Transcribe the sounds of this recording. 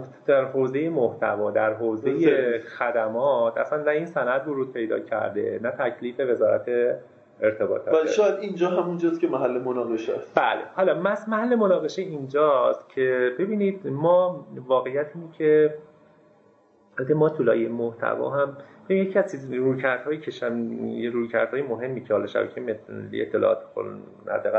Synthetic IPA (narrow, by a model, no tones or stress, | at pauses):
d̪̥æɾɦoːze̞je̞moht̪ʰæ̰vɒːd̪æɾɦoːzejexæd̪æmɒːt̪ʰæsænnæiːnsænæd̪voɾuːd̪̥̚pʰe̞jd̪ɒ̰ːcʰæ̰ɾd̪e̞̰næt̪ʰæcʰliːfe̞ve̞zɒːɾæ̰t̪ʰe | eɾt̪ʰe̞bɒ̰ːt̪ʰɒ̰ːæʃɔːjæd̪ind͡ʒɒːɦæmund͡ʒɒːst̪cʰemæɦælːemonɒɣeʃæst̪b̥æ̰ːlehɒːlɒːmæsmæhælːemonɒːɣe̞ʃeind͡ʒɒːst̪̚cʰe̞be̞biːnid̪mɒːvɒːɣe̞jæt̪ʰiːnecʰe | alæt̪emɒːt̪ʰulɒ̰ːjemoht̪ʰæ̰vɒ̰ːɦæmbeinjecʰiæzt͡ʃiruːcʰæɾd̪hɒːjiːcʰeʃæmjɾuːjcʰæ̰ɾd̪̥hɒːjemoɦe̞mːiːcʰehɒːlɒʃæ̰bæ̰cʰemet̪lḭet̪ʰːe̞lɒ̰ɒ̰ːt̪ʰe̥ko̰ | hæ̰d̪ːæɣæ